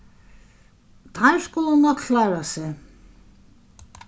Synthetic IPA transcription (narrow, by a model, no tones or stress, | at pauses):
t̪ʰajskʊlənɔt̪kʰlaːɾasɛ